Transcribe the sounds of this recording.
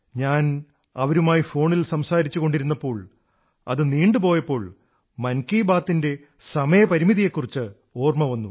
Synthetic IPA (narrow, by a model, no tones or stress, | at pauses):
ɲaːn | ɐʋɐɾumaːjifo̞ːɳilsɐmsaːɾit͡ɕːuɣo̞ɳɖiɾunːɐpːo̞ːɭ | ɐ̰ðɨniːɳɖɨpo̞ːjɐpːo̞ːɭ | mɐnkiːbaːt̪ːinde̞ | sɐmɐjɐpɐɾimiðije̞kːurit͡ɕːɨ | oːrmɐʋɐnːu